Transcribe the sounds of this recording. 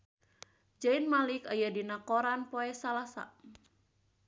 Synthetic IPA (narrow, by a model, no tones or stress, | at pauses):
d͡ʒainmalikajadinakɔɾanpoɛsalasa̰